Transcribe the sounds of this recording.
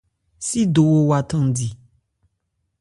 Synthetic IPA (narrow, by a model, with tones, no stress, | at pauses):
si˦do˨wo˦wa˨t̪ɔ̃˦˨di˨